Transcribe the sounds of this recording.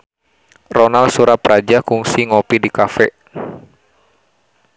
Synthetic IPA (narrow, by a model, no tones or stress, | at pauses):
rɔnalsuɾapɾad͡ʒakuŋsiŋopidikafɛ